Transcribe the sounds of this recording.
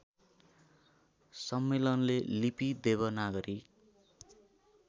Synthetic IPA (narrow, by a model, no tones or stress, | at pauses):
sʌmːelʌnlelipid̪ebʌnaɡʌɾi